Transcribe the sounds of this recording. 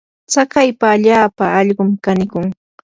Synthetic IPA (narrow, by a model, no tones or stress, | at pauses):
t͡sakajpaːʎaːpaɑʎɢʊmkanɪkʊŋ